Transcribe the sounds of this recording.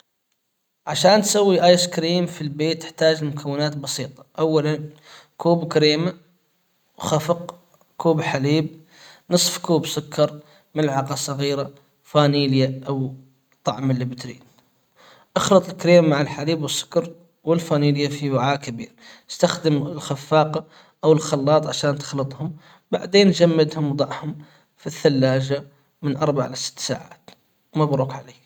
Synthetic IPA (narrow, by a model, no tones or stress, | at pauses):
ʕaʃaːnt̪sawːiʔaːjskɾiːmfilbeːt̪ːɪ̥ħt̪aːd͡ʒɪlmʊkʰawːɪnaːt̪bɑsiːt̪ˤɑ̥ʔawːalan | kuːbkaɾeːma | xafɪq | kuːbħaliːb̚ | nɨsˤfkuːbsʊkːɑɾˤ | mɪlʕɑqɑsˤɑɣiːɾa | faːniːljaʔaw | t̪ˤːɑʕmɪlːibɪt̪ɾḭːn | ʔɑxlɨt̪ˤɪlkɾiːmːaʕɪlħaɾiːbwɪsːʊ̥kɑɾˤ | wɪlfaniːljafiwaʕaːʔkabḭːɾɪst̪axd̪əmɪlxafːɑːqɑ | ʔawɪlxɑlːɑːt̪ˤʕaʃaːnt̪ɪ̥xlɑt̪ˤhʊm | ba̰ʕd̪eːnʒamːɪd̪hʊmwd̪ˤɑʕhʊm | fiθːalːaːʒa | mɪnʔɑɾˤbaʕʔɪlasɪ̥t̪ːsa̰ːʕa̰ːt̪ | wmabɾuːkʕaleː